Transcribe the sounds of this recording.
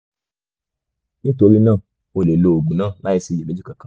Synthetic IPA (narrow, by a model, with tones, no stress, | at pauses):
nĩ˦to˧ɾi˦nãː˦˨ | o˧le˨lo˧o˨ɡ͡bũ˨nãː˦˨la˦i˧si˧je˨be˨˦d͡ʒu˦kã˧kã˨˦